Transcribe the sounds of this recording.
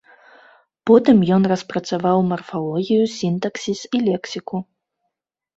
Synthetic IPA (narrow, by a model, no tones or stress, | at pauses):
pɔt̪ɨmjɔnrɐspɾɐt̪savawmɐrfalˠɔɣʲijusʲint̪ɐksʲisilʲɛksʲiku